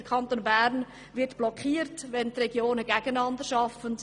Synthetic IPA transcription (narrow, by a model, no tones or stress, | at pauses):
əkʰɑntoːnbæɾn | vɪtb̥lɔkʰiːɾtvɛntrɛɡjoːnəɡæɡənɑndəɾʃɑfənt